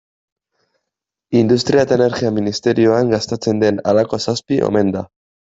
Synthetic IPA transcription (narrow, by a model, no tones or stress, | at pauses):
ind̪ust̪ɾiaet̪aene̞ɾɣiaminist̪e̞ɾio̞aŋɡast̪et͡se̞nd̪e̞nalako̞saspiʔo̞̰me̞nd̪a